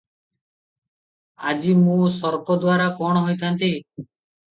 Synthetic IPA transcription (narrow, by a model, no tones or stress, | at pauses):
ad͡ʒimũːsɔɾpɔd̪waɾakɔɽ̃ɔɦojt̪ʰant̪i